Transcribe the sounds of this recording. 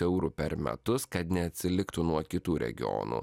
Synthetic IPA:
ɛʊɾʊpʲɛɾmʲɛ̰t̪ʊskɐt̪nʲɛɐt̪ʲsʲɪlʲɪkt̪ʊnuɔkʲɪt̪uːɾʲɛ̰ɡʲɪ̰ɔ̰ːnṵː

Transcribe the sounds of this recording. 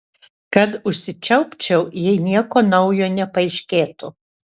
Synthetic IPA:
kɐt̪ʊʃʲsʲɪt͡ʃʲɛʊpʲt͡ʃʲɛʊjɛɪnʲiɛkoːnɐʊjoːnʲɛpɐɪʃʲkʲeːt̪ʊ

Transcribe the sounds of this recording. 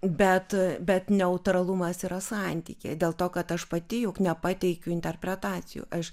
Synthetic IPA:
bʲɛt̪bʲɛt̪nʲɛʊt̪ɾɐlˠʊmɐsiːɾɐsɑnʲt̪ʲḭːkʲḛd̪ʲeːlˠt̪oːkɐt̪ɐʃpɐt̪ʲɪjʊknʲɛpɑːt̪ʲɛɪkʲʊɪnʲt̪ʲɛrʲpʲɾʲɛt̪ɑːt͡s̪ʲɪjṵːʔɐʃ

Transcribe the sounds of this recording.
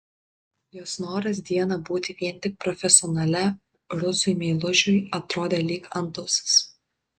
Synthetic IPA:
joːsnoːɾɐs̬d̪ʲiɛnɑbuːt̪ʲɪʋʲiɛnʲt̪ʲɪk̚pɾɔfʲɛsʲɔnɐlʲɛ | ɾʊsʊɪmʲɛːlˠʊʒʲʊjɐt̪ɾoːd̪ʲeːlʲiːkɐnt̪ʊss

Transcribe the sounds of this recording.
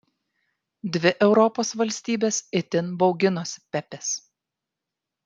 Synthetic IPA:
d̪ʲʋʲɪʔɛʊɾɔpoːsʋɐlʲsʲt̪ʲiːbʲeːsɪt̪ʲɪnbɒʊɡʲɪnoːsʲpʲɛpʲɛs

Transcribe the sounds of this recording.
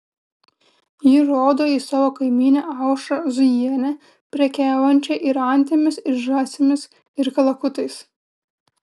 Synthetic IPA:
jɪɾoːd̪oːiːsɑːʋoːkɐɪmʲiːnʲoʔɑˑʊʃɐzʊjiɛnʲɛ | pʲɾʲɛkʲæːʋɐnʲt͡ʃʲɛʔɪɾɐnʲt̪ʲɪmʲɪsɪɾʒɑːsʲɪmʲɪs | ɪɾkɐlˠɐkʊt̪ɐɪs

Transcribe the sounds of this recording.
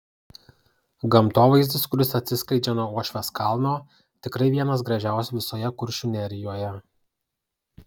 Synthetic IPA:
ɡɐmt̪oːʋɐɪzʲd̪ʲɪskʊɾʲɪsɐt̪ʲsʲɪskɐɪd͡ʒʲɛnoːuːɔʃʲʋʲɛskɑˑlˠnoː | t̪ʲɪkɾɐɪʋʲiɛnɐs̬ɡɾɐʒʲæˑʊsʲʊʋʲɪsoːjɛkʊɾʲʃʲʊnʲɛɾʲɪjoːjɛ

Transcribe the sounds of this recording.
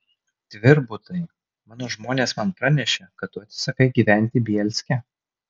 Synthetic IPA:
d̪ʲʋʲɪɾbʊt̪ɐɪ | mɑːnoːʒmoːnʲeːsmɐnpɾɑnʲɛʃʲekɐt̪̚t̪ːʊɐt̪sʲɪsɐkɐɪɡʲiːʋʲæˑnʲt̪ʲɪbʲiɛlʲsʲkʲɛ

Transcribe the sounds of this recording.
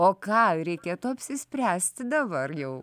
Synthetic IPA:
oːkɑːɾʲɛɪkʲeːt̪ʊɐpʲsʲɪsʲpʲɾʲæːsʲt̪ʲd̪ɐbɐrjɛʊ

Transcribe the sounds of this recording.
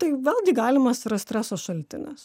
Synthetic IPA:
t̪ɐɪʋʲɛːlˠɡʲɪɡɑːlʲɪmɐsɾɐsʲt̪ʲɾʲæːsoːsʃɐlʲt̪ʲɪnʲɛs

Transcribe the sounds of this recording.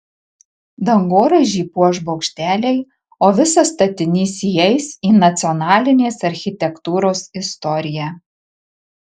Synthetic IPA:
d̪ɐŋɡoːɾɐʒʲiːpuɔʒbɒʊkʃʲt̪ʲæːlʲɛɪ | oːʋʲɪsɐst̪ɐt̪ʲɪnʲiːsʲijɛɪsiːnɐt̪sʲɪɔnɑːlʲɪnʲeːsɐɾʲxʲɪt̪ʲɛkt̪uːɾoːsɪst̪ɔɾʲɪjæ

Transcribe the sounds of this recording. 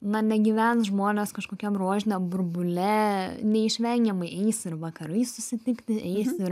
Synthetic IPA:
nɐnʲɛɡʲiʋʲɛnsʒmoːnʲeːskɐʃkoːkʲɛmroːʒʲɪnʲɛmbʊrbʊlʲɛnʲɛɪʃʲʋʲɛŋʲɡʲɛmɐɪɛɪsɪɾʋɐkɐɾɐɪsʊsʲɪt̪ʲɪkt̪ʲɪʔɛɪsɪɾ

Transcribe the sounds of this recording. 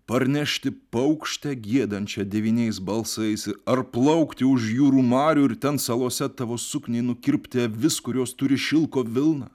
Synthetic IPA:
pɐɾʲnʲɛʃʲt̪ʲɪpɐʊkʃʲt̪ʲɛɡʲiɛd̪ɐnʲt͡ʃʲɛd̪ʲɛʋʲiːnʲɛɪsbɐlˠsɐɪsɐrplˠɐʊkt̪ʲɪʊʃjuːɾuːmɑːɾʲuːɪɾt̪ʲɛnsɑlˠuɔsʲɛt̪ɑːʋoːsʊknʲeɪnʊkʲɪɾʲpʲt̪ʲɪʋʲɪskʊɾʲoːst̪ʊɾʲɪʃʲɪlˠkoːʋʲɪlˠnɑ̰

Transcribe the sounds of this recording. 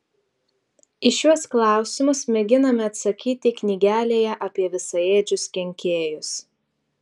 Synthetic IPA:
ɪʃʲjuɔsklˠɑˑʊsʲɪmʊsmʲɛɡʲɪnɐmʲɛɐt̪sɐkʲiːt̪ʲɪknʲiːɡʲæːlʲeːjɛʔɐpʲiɛʋʲɪsɐeːd͡ʒʲʊskʲɛŋʲkʲeːjʊs

